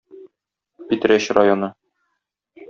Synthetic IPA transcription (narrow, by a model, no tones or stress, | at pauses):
pit̪ɾæɕrajonɤ